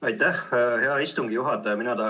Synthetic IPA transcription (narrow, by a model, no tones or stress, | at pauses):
ɑjt̪ːˑæhheɑist̪uŋɡ̥ijuɦɑt̪ːˑɑjɑminɑt̪ɑː